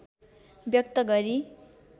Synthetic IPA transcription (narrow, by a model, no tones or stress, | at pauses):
bjʌk̚t̪ʌɡʌɾi